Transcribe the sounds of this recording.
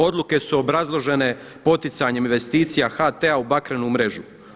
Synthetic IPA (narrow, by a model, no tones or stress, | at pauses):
o̞d̪lˠuke̞suo̞bɾazlˠo̞ʒe̞ne̞ | po̞t̪it̪saɲe̞minʋe̞st̪iːt̪sijaxat̪eaubakɾenumɾe̞ʒu